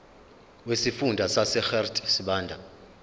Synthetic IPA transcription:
wesifundʱasasɛxɛrtʰʼsiɓaːndʱa

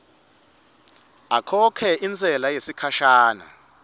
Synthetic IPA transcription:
akʰɔkʰɛʔint͡sʰʼɛlajesikʰaʃaːna̰

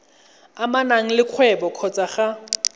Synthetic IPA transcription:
amanaŋ̩lɪkʰwɛbɔkʰɔt͡sʼaχa

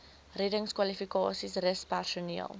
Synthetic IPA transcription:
redəŋskwɐlifikɑːsisrəspærsuniəlˠ

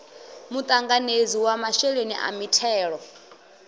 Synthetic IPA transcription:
mut̪ʼaŋɡaned͡ziwamaʃɛɺeniʔa̰mitʰɛːɺɔ

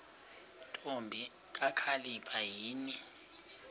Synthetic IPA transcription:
tʼombʱi | k̬ʼakʰalipʰajiːni

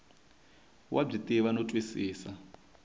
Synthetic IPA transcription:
wʔa̰b͡ʐitʼiβanɔtʼwisiːsa

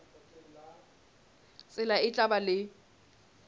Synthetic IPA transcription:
sʼɪlaɪt͡ɬʼabalɪ

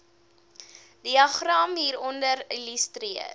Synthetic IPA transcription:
diɐχrɐmɦiːɾɔndəɾiləstɾiə̰r

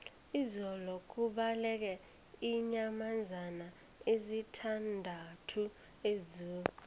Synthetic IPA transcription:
izɔlɔk̬uɓalɛk̬ɛ | iɲamand͡zʱana | ezitʰandʱatʰu | ezuː

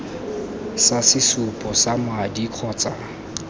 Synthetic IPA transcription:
sasɪsʊpʼɔsamwadikʰɔːt͡sʼa

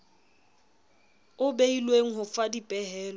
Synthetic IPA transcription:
ʊbeilweŋ̩ɦʊfadipʼɛɦɛːlɔ

